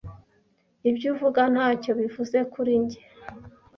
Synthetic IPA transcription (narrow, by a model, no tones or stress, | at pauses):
ibɟuːvuɡan̥haːco̞βivuze̞kuɾiɲɟe